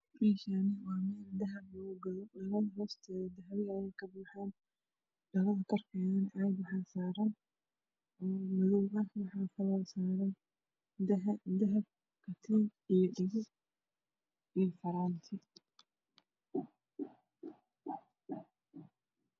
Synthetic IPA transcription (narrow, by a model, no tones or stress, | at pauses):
riːʃanɐwɑːmɛːld̪ɐɦɐblɔɣʊɡɐðɔlɐβɐðɐɦɔːst̪ʰɛd̪ɐɦɐβɪɐjɛjkʰɐbuːħaːn | ɖɐβɐðɐkʰɔrkʰɛːðɐnʕɑbwɑħɑːsaːɾɐn | ɔːmʊðuɣɐwɑħɑːfɐlɔlsaːɾɛn | d̪ɐɦɐb̚ | kʰɐt̪ʰɪijɔɖɪɣɪ | ijfɐɾaːnt̪ʰɪ